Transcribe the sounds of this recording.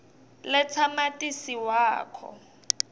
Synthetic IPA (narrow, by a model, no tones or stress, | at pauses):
lɪt͡sʰamatʼisiwaːkʰɔ̰